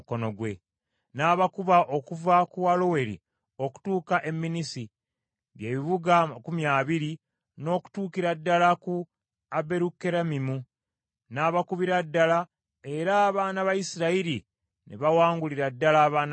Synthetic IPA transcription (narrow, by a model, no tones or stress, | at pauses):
konoɡwe | naːβakuβaʔo̞kuvakualo̞we̞ɾḭ | o̞ku̥tuːkaʔe̞mːinisi | βje̞ːβiβuɡakumjaːβiɾi | no̞ːku̥tuːkiɾadːalaku | abe̞ɾukːe̞ɾamimu | naːβakuβiɾadːala | e̞ɾaːβaːnaβajisiɾaiɾi | nḛβawaːŋɡuliɾadːalaːβaːn